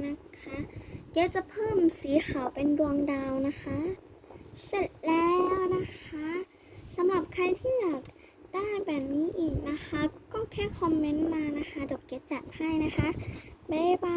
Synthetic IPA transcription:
na˦˧˥kʰa˦˥ke˦˥t̪̚t͡ɕa˧˩pʰɤː˥˩˨msiː˨˦xʰa˨˩wpe˧ndu˧əŋdaː˧wna˦˥xʰa˦˥ | se˧˩t̪̚lɛː˦˥wna˦˧˥kʰa˦˥ | sa˨˦mla˨˩p̚kʰa˧jt̪ʰiː˧˩i˧˨˩ək̚ | d̥aː˥˩jbɛː˨˩p̚niː˦˥ʔiː˨˩k̚na˦˧˥xʰa˦˥kɔː˥˩˨kʰɛː˥˩kʰɔ˧mːe˦˥nmaː˧na˦˥xʰa˦˥do˨˩kːe˦˥t̪̚t͡ɕa˨˩npʰa˧˥˩jna˦˥xʰa˦˥bɛː˧˥waː˧

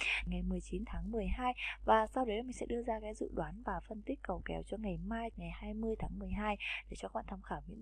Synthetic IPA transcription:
ŋa˨˩jmɨ˨˩əjt͡ɕi˨˦nt̪ʰaː˨˦ŋmɨ˨˩əjhaː˧jvaː˨˩sa˧wɗə˨˦jmï˨˩ŋ̟sɛ̰˧˥ɗɨ˧əzaː˧kaː˨˦jzɨ̰˧˨ɗwaː˨˦nvaː˨˩fə˧nt̪i˦˥kkə˨˩wkɛ̰˨˦wt͡ɕɔ˧ŋa˨˩jmaː˧jŋa˨˩jhaː˧jmɨ˧əjt̪ʰaː˨˦ŋmɨ˨˩əjɦaː˧jɗe˧˩t͡ɕɔ˧˦wa̰ː˧˨nt̪ʰːmxaː˧˩wmḭ˧˥

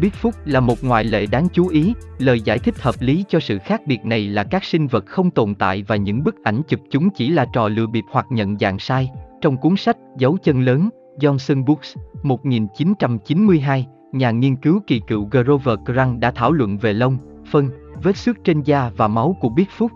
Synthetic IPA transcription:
ɓi˦˥ət̚fʊ˦˥k͡p̚laː˨˩mo˨˩t̚ŋwaː˨˩jlḛ˧˨ɗaː˨˦ŋt͡ɕu˨˦ʔi˨˦ləː˨˩jza̰ː˧˩jt̪ʰï˦˥k̟̚həː˨˩p̚li˨˦t͡ɕɔ˧sɨ̰˧˨xaː˦˥k̚ɓi˨˩ət̚na˨˩jlaː˨˩kaː˦˥k̚sï˧ŋ̟və˨˩t̚xə˧wŋ͡mt̪o˨˩nt̪a̰ː˧˨jvaː˨˩ɲɨ̰˧˥ŋɓɨ˦˥k̚ʔa˧˩jŋ̟t͡ɕɨ˨˩p̚t͡ɕʊ˨˦ŋ͡mt͡ɕi˧˩laː˨˩t͡ɕɔ̰˨˩lɨ̰˧˥əɓi˨˩əp̚hwaː˨˩t̚ɲə̰˧˨nza̰ː˧˨ŋsaː˧jt͡ɕɔ˧wŋ͡mku˨˦əŋsa˦˥k̟̚zə˨˦wt͡ɕə˧nləː˨˦n | zɔ˧nsə˧nɓu˦˥k̚smo˨˩t̚ŋi˨˩nt͡ɕi˨˦nt͡ɕa˧mt͡ɕi˨˦nmɨ˧əjɦaː˧j | ɲaː˨˩ŋi˧ənkɨ˨˦wki˨˩kɨ̰˧˨wɣəː˧zo˧vəː˨˩kza˧ŋɗa̰ː˧˥t̪ʰaː˧˩wlwə̰˧˨nve˨˩lə˧wŋ͡m | fə˧nve˦˥t̚sɨ˦˥k̚t͡ɕe˧nzaː˧vaː˨˩ma˨˦wku˧˩əɓi˦˥ət̚fʊ˦˥k͡p̚

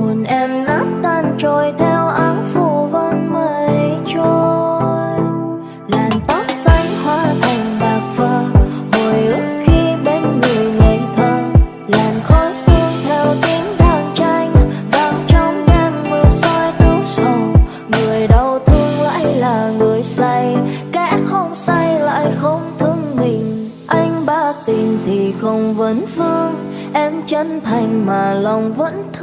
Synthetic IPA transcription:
mu˨˩nʔɛ˧mna˦˥t̚t̪aː˧nt͡ɕo˨˩jt̪ʰɛ˧wʔaː˨˦nfu˧˩və˧nməː˧˩jt͡ɕo˧j | laː˨˩mt̪a˦˥t̚sa˧˦jŋ̟hwaː˧˩t̪ʰa˨˩jŋ̟ɓaː˨˩k̚və˧˩n | ho˨˩jʔɨ˧ŋ͡mxi˧ɓe˨˦nŋɨ˨˩jŋe˧˨˦t̪ʰə˧˩ | laː˨˩mxɔ˨˦sɨ˧əŋt̪ʰɛ˨˩wt̪i˨˦əŋzaː˧˩nt͡ɕa˧jŋ̟va˨˦ŋt͡ɕɔ˧ŋ͡mɲa˧nmɨ˧˩sa˧jt̪ɨ˨˦sə˨˧˩ŋ͡m | mɨ˨˩əjɗə˨˩wt̪ʰɨ˧va̰ː˧˥jlaː˨˩ŋɨ˨˩əjsa˧jka̰˧˥xə˧wŋ͡msa˧jla̰ː˧˨jxə˧wŋ͡mt̪ʰɨ˧ŋmï˨˩ŋ̟ | ʔa˧jŋ̟ɓaː˧˥t̪i˨˩mt̪ʰi˨˩xə˧wŋ͡mvə˨˦nfɨ˧əŋ | ʔɛ˧mt͡ɕə˨˧˦nt̪ʰa˨˩jŋ̟maː˨˩lɔ˨˩wŋ͡mvə̰˧˥nt̪ʰ

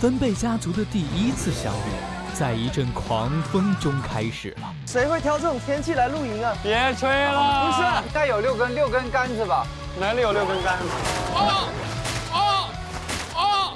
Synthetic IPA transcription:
fə˥npe˥˩ɪt͡ɕja˥t͡su˧˥d̪ə˧t̪i˥˩i˥t͡sʰɹ̩˥˩ɕjɑ̰˥ŋɛ̰˥˩˦ | t͡sa˥˩ɪi˧˥ʈ͡ʂə˥˩nkʰwɑ˧˥ŋfɤ˥ŋʈ͡ʂʊ˥ŋkʰa˥ɪʂɻ̩̰˨˩lə˦ʂe˧˥ɪxwe˥˩ɪt̪ʰjɑ˧˥ʊʈ͡ʂɤ˥˩ʈ͡ʂʊ˨˩ŋt̪ʰjɛ˥nt͡ɕʰi˥˩la˧˥ɪlu˥˩i˧˥ŋɐ˧pjɛ˨˧˥t͡sʰwe˥ɪləu˧˥ɕ̬ɛ˥˩t̪a˥˩ɪjo˨˩ʊljo˥˩ʊkə˥nljo˥˩ʊkə˥nka˥nd͡zɹ̩˨˩bɐ˨˩ | na˧˥nli˧jo˨˩ljo˥˧˩kə˥nka˥nd͡z̩˨˩˥

